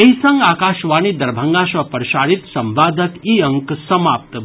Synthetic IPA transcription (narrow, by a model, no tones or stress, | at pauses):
eɦisɐ̃ŋɡaːkaːʃʋaːnid̪ɐɾbʱəŋɡãsɐpɾʃaːɾit̪sɐmʋaːd̪ʱəkiɐŋksɐmaːp̚t̪